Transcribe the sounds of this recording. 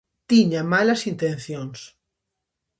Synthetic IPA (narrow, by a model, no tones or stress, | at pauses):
t̪iɲamalɐsint̪ẽn̟θjoŋs